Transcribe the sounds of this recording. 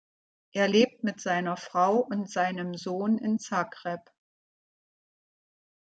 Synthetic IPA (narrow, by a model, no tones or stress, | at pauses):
ʔeːɐleːp̚tmɪtz̥aɪnɐfʁ̥aʊʔʊntz̥aɪnəmzoːnɪnt͡sakʁɛp